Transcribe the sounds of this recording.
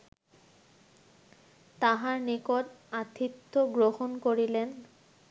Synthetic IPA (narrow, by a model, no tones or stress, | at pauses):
t̪aɦaɾnikoʈat̪ʰit̪ːoɡɾohonkoɾilen